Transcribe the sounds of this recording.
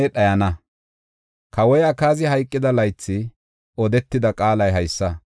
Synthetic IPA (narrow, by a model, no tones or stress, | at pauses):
ɗɐjɐnɐ | kʰɐwɔjɐkaːzɪhɐjkʼːɪd̪ɐlɐjt͡sːɪ | ɔd̪ɛt̪ːɪd̪ɐkʼaːlɐjɦɐjsːɐ